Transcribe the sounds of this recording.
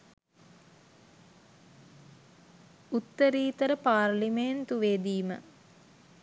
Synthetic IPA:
ut̪ːəɾiːt̪əɾəpaːrliment̪uʋeːd̪iːmə̰

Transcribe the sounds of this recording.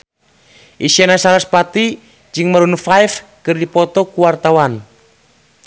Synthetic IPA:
ʔisianasalaspat̪i | d͡ʒɨŋmaɾunfaifkɨrdipɔt̪ɔkuwart̪awan

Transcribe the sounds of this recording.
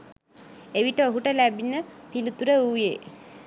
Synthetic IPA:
eʋiʈəoɦuʈəlæbinəpilut̪uɾəujḛ

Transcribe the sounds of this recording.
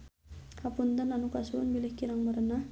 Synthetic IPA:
kapunt̪ənanukasuʊnbilɪhkiɾaŋməɾəna

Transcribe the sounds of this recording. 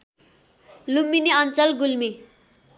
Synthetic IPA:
lumːineʌnt͡sʌlɡulmi

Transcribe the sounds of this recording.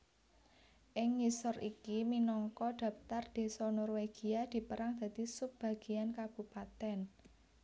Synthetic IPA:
ʔɪŋːisɔrikiminɔŋkɔd̪̥ä̤pt̪ard̪̥e̤sɔnɔrweɡ̥i̤ad̪̥i̤pəɾaŋd̪̥a̤d̪̥isup̚b̥a̤ɡ̥i̤ankab̥ṳpat̪ɛn

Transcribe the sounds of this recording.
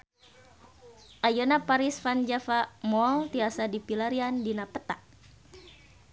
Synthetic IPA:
ʔajonapaɾɪsfand͡ʒafaʔmɔlt̪iasadipilaɾiandinapət̪aʔ̚

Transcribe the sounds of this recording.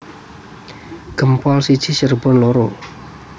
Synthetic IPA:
ɡ̥əmpɔlsid̥ʒ̥i̤sərbɔnloɾo

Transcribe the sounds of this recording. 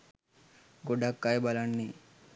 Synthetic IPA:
ɡoɖakːajbɐlanːi

